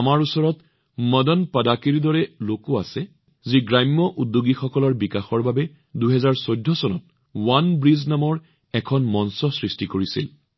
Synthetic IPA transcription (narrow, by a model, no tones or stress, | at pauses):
amaɹusɔɹɔt | mɔdɔnpadakiɹidɔɹɛlokʊasɛ | ziɡɹajmːɔʔudːoɡixɔkɔlɔɹbikaxɔɹbabɛ | duɦɛzaɹsojdʱːɔsɔnɔt̚ | wanbɹiznamɔɹ | ɛkʰɔnmɔnsɔsɹistikoɹisḭl